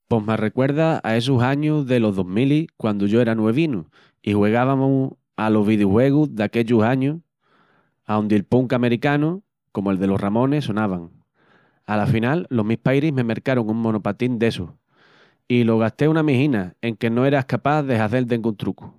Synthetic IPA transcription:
po̞ɦmare̞kwe̞ɾðaa̰e̞s̬usaɲuðe̞lo̞ɦðo̞ɦmilikwand̪uʝo̞e̞ɾanwe̞β̞inu | ihwe̞ɣ̞aβamo | alo̞ɦβiðjuhwe̞ɣuðake̞ʎusaɲu | aond̪elpuŋkame̞ɾikanu | ko̞moe̞lðe̞lo̞hramõ̞ne̞so̞naβaŋ | alafinalːo̞ɦmihpajɾime̞meɾkaɾoŋuŋmõ̞no̞pat̪ind̪e̞su | iloɣ̞aht̪e̞unamihinae̞ŋke̞noe̞ɾaehkapaðeɦaθe̞ld̪eŋɡunt̪ɾuku̥

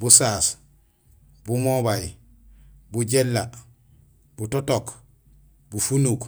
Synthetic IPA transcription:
busaːs | bumoβaj | buɟelːa | butotok | bufunuk

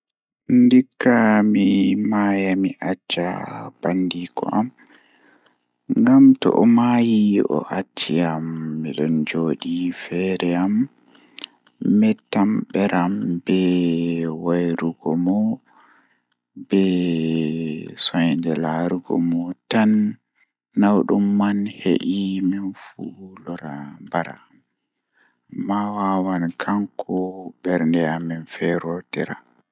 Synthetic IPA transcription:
ndikːamimaːjamiʔat͡ʃːa̰b̥andikʰɔ̰ʔam | ŋɡamtɔ̰ʔɔmaːjiʔɔ̰ʔat͡ʃːiamːiɗɔnd͡ʒoːɗifɛɾɛam | ɛtamɓɛɾʔambɛ | wajɾuɡɔmɔ | bɛ | sɔjndɛlaɾuɡɔ̰mɔtanː | awɗumːanhḛʔimɛnfulɔɾabaɾa̰ | m | mːawawankʰaŋkʰɔbɛɾndɛamɛnfɛɾɔtɛɾa

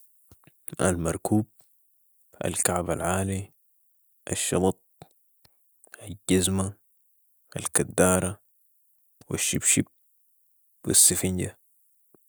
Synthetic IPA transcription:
ʔa̰lmɑɾˤkʰuːb̚ | a̰lkaʕbalʕaːli | ʔaʃːɑbɑt̪̚ˤ | ʔaɟazma | ʔa̰lkad̪ːaːɾˤɑ | wiʃːibʃib̚ | wḭsːifinɟa

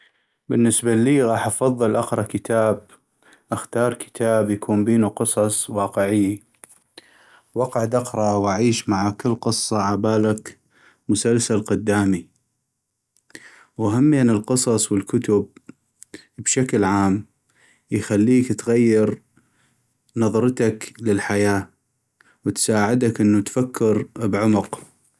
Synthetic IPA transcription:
bɪnːɪsbaliːɣɑːħʔɑfɑðˤːɨlʔɑqɾˤɑkɪt̪ʰaːb | ʔaxt̪ɑːɾˤkʰɪ̥t̪ʰaːbjakʰuːnbeːnuqɨsˤɑsˤwɑːqɪʕɪj | wɑqɑʕd̪ɑqɾˤɑwʔaʕiːʃmaʕakɪlːqɨsˤːɑʕabaːlak | mʊsalsalqʊd̪ːaːmi | waɦamːiʔanɪlqɨsˤɑsˤwɪlkʊt̪ʊb̚ | bʃaklʕaːm | jxalːiːkt̪ɣajːɪɾ | nɑðˤɾˤt̪aklɪlħajaː | wt̪saːʕɪd̪akʔɪnːut̪fakʰːɪɾbʕʊmʊq

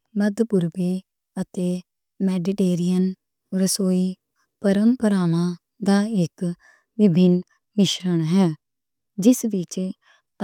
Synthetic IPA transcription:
məd̪pʊɾbeː | ət̪eː | mɛːɖɪʈeːɾijən | ɾəsoːiː | pəɾəmpəɾaːnãː | d̪aːɪk | ʋɪbʱɪn | mɪʃɾəɳɦɛː | d͡ʒɪsʋɪt͡ʃ

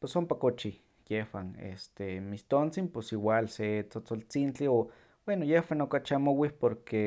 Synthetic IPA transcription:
pesompakot͡ʃi | jehwanḛst̪emist̪ont͡simposiwaːlset͡sot͡solt͡sint͡ɬio | b̥wenojehwanokat͡ʃamowipoɾke

